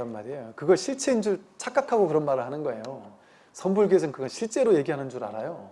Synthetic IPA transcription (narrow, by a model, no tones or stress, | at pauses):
ɾʌnmaɾiejokɯɡʌɭɕʰiɭt͡ɕʰe̞ind͡ʑuɭt͡ɕʰak͈akʰaɡokɯɾʌnmaɾɯɭhanɯnɡʌe̞jo | sʰʌnbuɭɡesʰɯŋkɯɡʌɕʰiɭt͡ɕ͈e̞ɾoje̞ɡiɦanɯnd͡ʑuɾa̰ɾajo